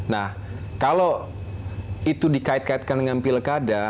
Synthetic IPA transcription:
nah | kalo | it̪udikaɪt̪̚kaɪt̪̚kandəŋanpiləkada

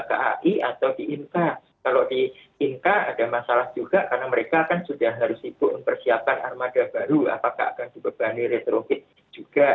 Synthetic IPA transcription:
ka̰ʔa̰ʔiat̪awdiʔink̪a | kalodiː | nk̪aa̰damasalahd͡ʒuɡakarnaməɾekakansudahɦɦaɾʊsibʊʔmənpərsiap̚ana̰rmadabaɾua̰paka̰ɦa̰kandibəb̥aniɾet̪ɾofɪk̪̚ | d͡ʒ̥uɡ̥a

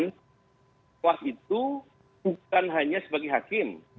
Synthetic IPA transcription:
n | wasit̪̚u | b̥uk̚anɦaɲasəbaɡajɦakɪm

